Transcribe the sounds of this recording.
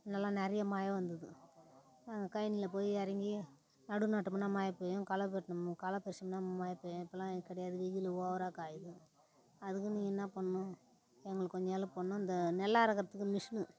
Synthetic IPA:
nɐlːãːnɛɾɐjɐmaːjɐʋɐnd̪ɐðɯ | naːŋɡɐkɐjɐnɪlɐp̬oːjiɐɾɐŋɡi | nɐɽɯnaːʈːɯmnːaːmaːjɐpːoːjʊ̃kɐlɐpɛʈːnɐmɯ̃kɐlɐpːɛɾɪʂɐmnaːmaːjɐpːoːjʊ̃ɪpːɐlãːkːɐɽɐjaːðɯiɣɪlɐoːʋɐɾaːkaːjɯðɯ | ɐðɯkːɯniːŋɡɐnːãːpɐɳːʊ̃ | ɛŋɡɐɭɯkːɔɲd͡ʒnaːlɐ̃poɳːʊ̃ɪnd̪ɐnɛlːaːɾɐkːɐɾɐt̪ːɯkːɯmɪʂnɯ

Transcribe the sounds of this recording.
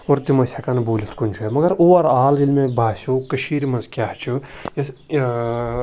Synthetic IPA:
oɾd̪imɐsjakanbuːlʲit̪ʰkunt͡ʃʰumɐɡɐɾuʋɐɾaːlilmẽbaːsʲukɐʃiːɾmɐnzkʲaɦt͡ʃʰujes

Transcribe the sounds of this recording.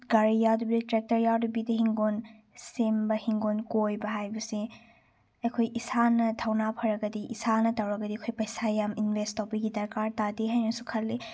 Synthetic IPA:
ɡaɾijadubidɐtɾek̚tɐɾjadubidɐɦiŋɡon | sembɐhiŋɡonkojbɐɦajbɐsi | ɐkʰojisanɐtʰawnapʰɐɾɐɡɐdiʔisanɐtawɾɐɡɐdikʰojpɐjsajaminbʱestawbiɡidɐɾkaɾtadiɦajnɐsukʰɐlːi

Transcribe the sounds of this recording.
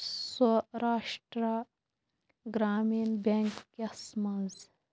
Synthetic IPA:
sɐɾaːʂʈɾa | ɡɾaːminbeːŋkːeɐsmɐnz

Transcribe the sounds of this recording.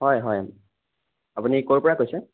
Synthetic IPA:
ɦɔjɦɔj | apunikoɹpɔɹakojsɛ

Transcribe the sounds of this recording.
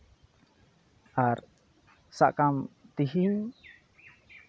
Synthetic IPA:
ʔar | sa̰ʔkamt̪iɦiŋ

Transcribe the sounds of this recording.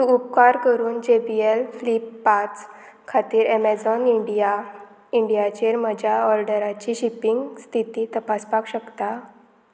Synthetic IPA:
suupkaɾkəɾuːnd͡ʑebielflipːat͡s | kʰat̪iːɾɛmɛd͡zɔniɖija | iɳɖijat͡ɕeɾməd͡ʑʱaɔɾɖəɾat͡ɕiɕipiŋɡst̪ʰit̪iːt̪əpaspakɕəkt̪a

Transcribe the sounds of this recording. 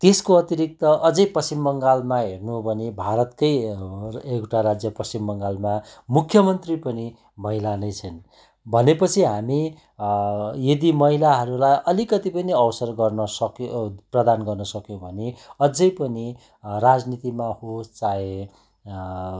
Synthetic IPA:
t̪eskoʌt̪iɾik̚t̪ʌʔʌd͡zʌjpʌsimbʌŋɡalmaɦernuɦbʱʌnebʱaɾʌt̪kʌj | ekʈaɾad͡zjʌpʌst͡simbʌŋɡalmamukʰjʌmʌnt̪ripʌni | mʌɦilanʌjt͡sʰʌn | bʱʌnepʌt͡sʰiɦami | jed̪imʌɦilaɦʌɾulajʔʌlikʌt̪ipʌniʌwsʌrɡʌrnʌsʌkprʌd̪anɡʌrnʌsʌkjõbʱʌneʌd͡zʌjpʌni | rad͡znit̪imahost͡saẽ

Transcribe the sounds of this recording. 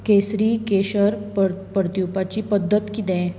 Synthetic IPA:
kesɾikeɕəɾppəɾt̪jupat͡ɕipəd̪ʱːət̪kid̪ɛ̃

